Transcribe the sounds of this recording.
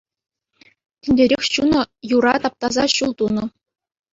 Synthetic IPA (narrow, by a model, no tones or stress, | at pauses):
tʲɘ̆nʲdʲeɾʲexʲɕunɤ̆juɾɑt̪ɑp̚t̪ɑzɑɕulˠt̪unɤ̆